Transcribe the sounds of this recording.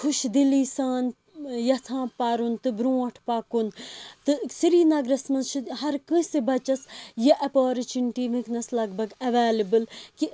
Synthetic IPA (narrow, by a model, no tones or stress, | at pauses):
kʰuʃd̪iliːsãːn | jɐt̪ʰãːpaːɾunt̪ɨbɾũːɐʈʰpakunt̪ɨsiɾiːnɐɡɾɐsmɐnt͡ʃʰihɐɾkɨ̃sibɐt͡ʃɐsjɐʔɐpoːɾit͡ʃiɳʈiːmĩknɐslɐɡ̚bʱɐɡɐʋaːlibɨlki